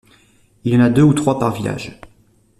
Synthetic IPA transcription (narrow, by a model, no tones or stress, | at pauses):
ilɑ̃nad̪øut̪χwapaʁvila̰ʒ